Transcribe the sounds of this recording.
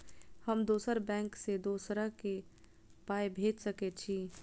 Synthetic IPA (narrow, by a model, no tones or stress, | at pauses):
həmd̪oːsəɾbɛ̃ːŋksed̪uːsɾake | paːjbʱeːd͡ʒsəket͡ʃʰiː